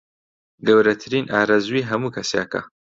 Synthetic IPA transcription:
ɡɐwɾɐt̪ʰɨɾiːnʔaːɾazuiːɦɐmuːkʰɐsjaːkɐ̰

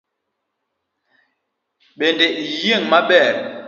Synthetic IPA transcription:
ɓendejeŋmaɓɛɾ

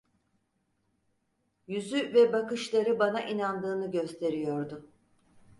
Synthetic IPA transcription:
jyzyvɛbakɯʃlˠaɾɯbanaʔinand̪ɯːnɯɟøst̪ʰe̞ɾijo̞ɾd̪ʊ

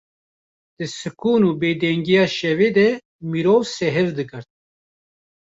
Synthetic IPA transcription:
d̪̥ɨsɨkʰuːnuːbeːd̪ɛŋɡijɑːʃɛveːd̪ɛ | miɾoːvsɛɦɛvd̪ɨɡɨɾt̪̚

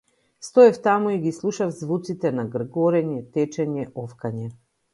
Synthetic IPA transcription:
st̪ɔɛft̪amuiɡislˠuʃafzvut̪sit̪ɛnaɡr̩ɡɔɾɛɲɛt̪ɛt͡ʃɛɲɛʔɔfkaɲɛ

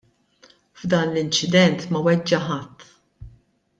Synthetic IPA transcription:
vd̪ɐːnlɪnt͡ʃɪd̪ɛnt̪mɐwɛd͡ʒːɐħɐt̪ʰː

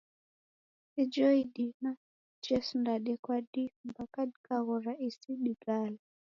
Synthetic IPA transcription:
ɛd͡ʒɔidina | t͡ʃɛsundaɗɛkwaɗimbakadkʼaɣɔraʔisiɗiɡala

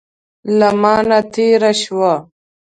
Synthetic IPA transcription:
lɐmaːnat̪ʰiːɾaɕwa

